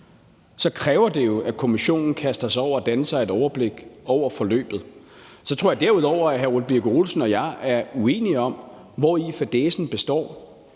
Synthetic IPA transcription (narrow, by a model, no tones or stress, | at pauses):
sɒ̽kʰʁɛːʊɐd̥e̝jo̝ʔækʰo̝miɕo̝̰ːnn̩kʰæsd̥ɐsɒʊ̰ɐːd̥ænəsɑ̈ɪe̝d̥ɒʊɐb̥le̝ɡ̥ɒʊ̰ɐfɒ̽lø̰ːb̥ð̩ˠsɒt͡sʰʁo̰ɐjɑ̈d̥æɐuð̞ˠɒʊ̰ɐæɦæɐulˠb̥iɡ̥ʁolsn̩ɒ̽jɑ̈ɪæɐue̝̰ːniɒ̽m | ʋɒifæd̥esn̩b̥e̝sd̥ɒ̰ː